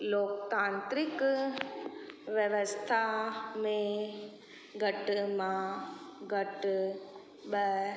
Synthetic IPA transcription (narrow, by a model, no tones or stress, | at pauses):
loːkt̪ãːnt̪ɾik | ʋjəʋəst̪ʰamẽ | ɡʱɐʈmãɡʱɐʈ | ɓə